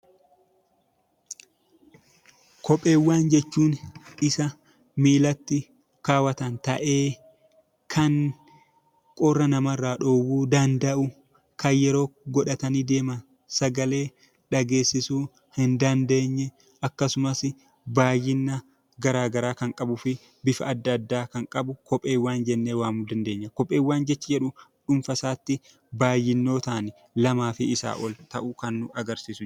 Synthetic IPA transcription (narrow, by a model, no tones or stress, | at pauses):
kʰɔpʼːe̞ːwːaːnd͡ʒɛt͡ʃːuːnʔɪsɐ | miːlɐt̪ːɪ | kaːwɐt̪ɐnt̪ɐ̰ʔe̞ː | kʰɐŋ | kʼɔrːɐnɐmɐrːaːᶑo̞ːwuːd̪ɐnd̪ɐʔʊ | kɐjjɛɾo̞ːɡɔᶑɐt̪ɐniːd̪e̞ːmɐn | sɐɡɐle̞ː | ᶑɐɡe̞ːsːɪsuː | hɪnd̪ɐnd̪e̞ːɲːɛ | ɐkːɐsʊmɐs | baːjːɪnːɐ | ɡɐɾaːɡɐɾaːkɐŋkʼɐbʊfɪ | bɪfɐɐd̪ːɐd̪ːaːkɐŋkʼɐbʊkɔpʼːeːwːaːnd͡ʒɛnːeːwaːmud̪ɐnd̪eːɲːɐkɔpʼːeːwːaːnd͡ʒɛt͡ʃːɐd͡ʒɛᶑʊᶑʊmfɐsaːt̪ːɪ | baːjːɪnːo̞ːt̪ɐːnɪ | lɐmaːfɪɪsa̰ːʔɔlt̪ɐʔʊkɐnːʊɐɡɐɾsiːsʊ